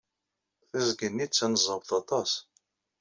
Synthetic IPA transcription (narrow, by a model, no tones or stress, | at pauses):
θæzɡənːit͡sːænəzˤəvθɑt̪ˤɑs